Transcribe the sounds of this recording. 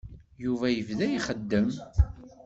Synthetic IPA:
juvæjəvðæjiχəd̪ːəm

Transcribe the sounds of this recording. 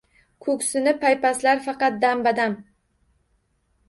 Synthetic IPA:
kʰɵksɪnɪpʰajpaslaɾfɑqɑt̪̚d̪ambad̪am

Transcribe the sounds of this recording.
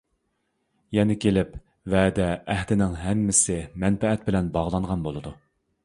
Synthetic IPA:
jɛnɪkʲʰelɪp | vɛd̪ɛːhd̪ɪnɪŋɦɛmːɪsɪmɛnfɛɛt̪̚bɪlɛnbɑʁlˠɑɴʁɑnbolˠɨd̪u

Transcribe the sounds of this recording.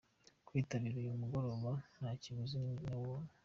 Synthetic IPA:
kwiːtaβiɾejumuɡo̞ɾo̞βanhaciβuzinawo

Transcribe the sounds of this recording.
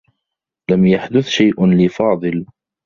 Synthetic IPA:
lamjaħd̪ʊθʃajʔlɪːfɑːd̪ˤɨl

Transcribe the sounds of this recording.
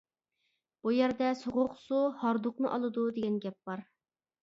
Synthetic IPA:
b̥ujæɾd̪ɛsoʁʊqsuhɑɾd̪ʊqnɨʔɑlˠɨd̪ud̪eɡʲɛnɡʲɛp̚b̥ɑɾ

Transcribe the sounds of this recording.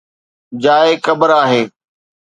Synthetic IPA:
d͡ʑaːekəbəɾaːɦeː

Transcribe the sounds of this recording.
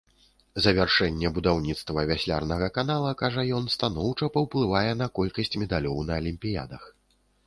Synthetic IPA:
zɐvʲarʂɛnʲːɛbud̪awnʲit̪st̪vɐvʲasʲlʲa̰rnɐɣɐkanalˠɐkaʐɐjɔnst̪anɔwt͡ʂɐpɐwplˠɨvajɛn̪ɐkɔlʲkɐsʲt͡sʲmʲɛd̪alʲɔwnɐːlʲimʲpʲija̰d̪ɐx

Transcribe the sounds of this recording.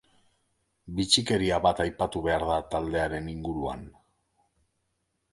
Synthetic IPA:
bit͡ʃike̞ɾiaβat̪ajpat̪uβe̞aɾðat̪ald̪e̞aɾe̞niŋɡuɾua̰n

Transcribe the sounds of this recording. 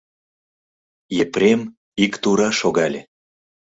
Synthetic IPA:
jepɾʲem | ikt̪uɾɑʃoɣɑlʲe

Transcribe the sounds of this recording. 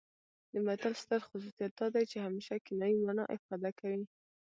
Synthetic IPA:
d̪əmat̪alst̪əɾxʊs̬usijat̪̚d̪ɑd̪ajt͡ʃehameʃakɪnɑjimanɑ̰ʔɪfɑd̪akawi

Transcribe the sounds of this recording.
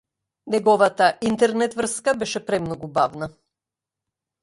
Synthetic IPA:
nɛɡɔvat̪aʔint̪ɛɾnɛt̪vr̩skabɛʃɛpɾɛmnɔɡubavna

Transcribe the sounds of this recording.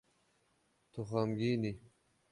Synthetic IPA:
t̪uxamɡini

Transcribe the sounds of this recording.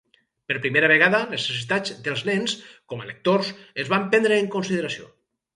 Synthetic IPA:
peɾpɾimeɾaβ̞eɣ̞aðanesesit̪ad͡zd̪elˠznenskɔmaḛlek̚t̪oɾsezβampɛnd̪ɾeːŋkonsiðeɾasio̰

